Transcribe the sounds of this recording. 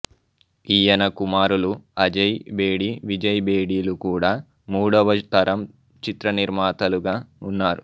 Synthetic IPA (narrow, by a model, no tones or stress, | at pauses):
ijɐnɐkumaːɾuluɐd͡ʒɐjbe̞ːɽiʋid͡ʒɐjbeːɽiːlukuːɽaː | muːɽɐʋɐt̪ɐɾɐm | t͡ʃit̪ɾɐniɾmaːt̪ɐluɡaːunːaːɾu